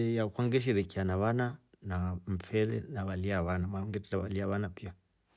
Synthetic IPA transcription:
jakwaŋɡɛʃ̬iɾɛkianaβana | naɱ̩fɛɾɛ̰naβaliaβanamaŋɡɛtɛɾaβaliaβanapia

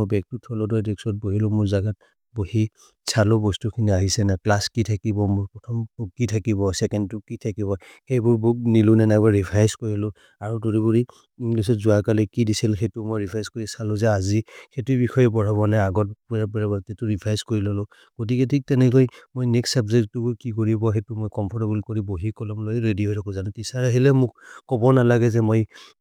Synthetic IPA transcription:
mɔbɛk̚tutʰɔlɔdɔjdɛksɔt̚boɦilʊmʊɹzaɡat̚ | bohi | sʰalʊbɔstukʰiniaɦisɛnaplaskitʰakibɔmɔpɹɔtʰɔmukitʰakibɔsɛkɛntʊkitʰakiβɔ | xejbʊɹbuk̚nilʊnɛnajbɔɹipʰajskoɹilʊ̃ | aɹutoɹibuɹi | iplisɔtzʊakalɛkidisilxejtʊmojɹipʰajskoɹisalʊzɛazixetubixɔjɛbɔɹaβɔnaaɡɔt̚puapɹabatɛtuɹipʰajskoɹilɔlʊ | ɡ̥ot̬iketʰik̚tɛnɛkojmojnɛksabzɛk̚tubʊɹkikoɹibɔxetumojkɔmpʰɔɹtabulkoɹiboɦikɔlɔmlojɹediɦɔjtʰakʰɔ̃zanɛtisaɹaɦilɛmʊk̚kɔbɔnalaɡɛzɛmoj

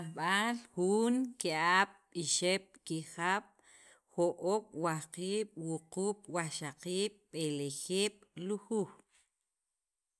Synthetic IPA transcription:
aɓalxuːŋkiʔaɓ̥ɓiʃeɓ̥̚kixaɓ̥ | xoʔoɓwahqiːɓ̥wuquːɓ̥waʃaqiːɓ̥ɓelexeːɓ̥luxu

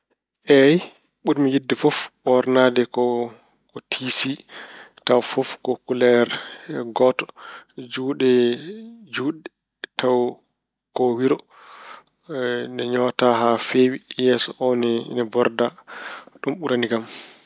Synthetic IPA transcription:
ʔɛj | ɓuɾmijidːɛfɔfɔɾnadɛkɔ | kɔtʰisitawfɔfkɔkulɛɾɡɔtɔ̥d͡ʒuːɗɛ | d͡ʒuːɗɛ | taw | kɔwiɾɔ | nɛɲɔtaɦafewijɛsɔʔɔnɛnɛbɔɾdaɗumɓuɾaniɡam

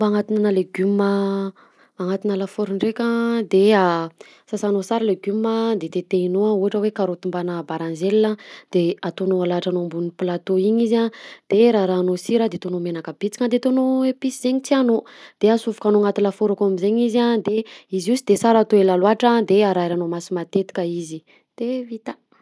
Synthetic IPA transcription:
mbaŋat̪inanaleɡymə | aŋat̪inəlafoɾuɳɖ͡ʐekʲad̪ea | sasanosaɾaleɡyməd̪et̪et̪einoauɦaʈ͡ʂəwekaɾot̪umbanəbaɾanzelːəd̪̥eat̪onoalaʈ͡ʂanombuniplat̪oiɲizad̪̥eɾaɾaːnosiɾad̪et̪onomenakəbit͡si̥kad̪et̪onoepisizeɲit͡sianod̪̥easuvukanoŋat̪ilafoɾakamizeɲizad̪eiziusid̪esaɾat̪oelalwaʈ͡ʂad̪eaɾajɾanomasimat̪et̪i̥kʲəizi | d̪̥evit̪a

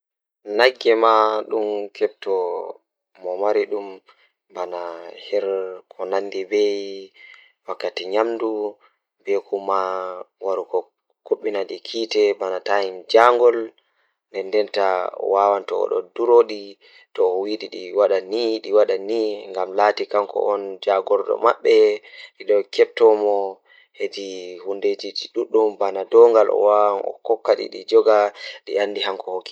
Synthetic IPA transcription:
naɡːɛmaɗumkɛb̚tɔ | mɔmaɾiɗum | banahɛɾkʰɔnanːdibɛj | wakːatiɲamdu | bɛkumawaɾukɔ | koɓːinaɗikʰiːtɛbanataind͡ʒaŋɡɔl | ndɛndɛntaɔ̰wawantɔɔ̰ɗɔ̰duɾoɗi | tɔːwiɗiɗiwaɗaniɗiwaɗaniŋɡamlaːtikamkɔ̰ʔɔnd͡ʒaɡɔɾɗɔ̰maɓːɛɗiɗɔkɛp̚tɔmɔ | hed͡ʒihunded͡ʒid͡ʒiɗuɗːumbanadɔŋɡalɔ̰wawanɔ̰kɔkːaɗḭɗid͡ʒɔɡaɗḭandiɦaŋkɔhokːi

